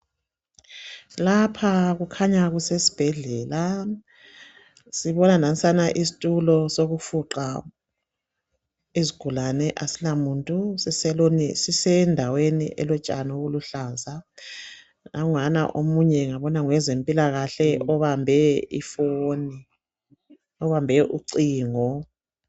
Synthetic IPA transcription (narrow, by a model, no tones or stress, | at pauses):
lapʰaɣukʰaɲaɣusesi̥b̥ʱɛɮɛːla | siβɔnanansʼanaʔisi̥tʼulɔsoɣufuǃa | iziɡ̥ʱulanɛʔasilamuntʼusisɛlonisisɛndʱawenḭʔɛ̰lɔt͡ʃʼanoɣuluɬaːza | naŋana̰ʔomuɲɛŋaβɔnaŋwɛzempʼilaɣaɬɛɔβambʱɛḭfoːni | ɔβambʱɛʔuǀiːŋɔ